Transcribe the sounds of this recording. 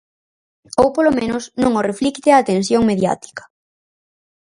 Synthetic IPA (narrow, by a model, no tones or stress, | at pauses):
owpolomẽnʊsnõŋoreflikt̪ɪaːt̪ensjoŋmeðja̰t̪i̥kɐ̥